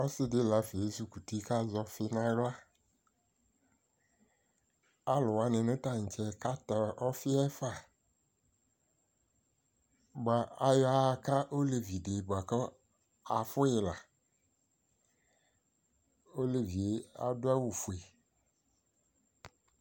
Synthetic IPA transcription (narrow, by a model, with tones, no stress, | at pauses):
ɔ˦sɪ˦dɪ˦la˨˦fi˨e˨˦su˨ku˨ti˦ka˦zɔ˦fɪ˦nã˦ɡa˦ | a˦lʊ˨wa˨nɪ̃˨nʊ̃˦ta˦ŋ̩˨t͡ʃɛ˨ka˦ta˨ɔ˦fɪ˦ɛ˦fa˦˨ | ɡ͡ba˨a˨jɔ˦a˦˨ka˦ʔo˦le˨vi˨de˨ba˨kɔ˦ | a˨fʊ˦ɪ˨la˨ | o˦le˨vi˨e˦a̰˦dʊ˦a˦wu˨fu˨e˨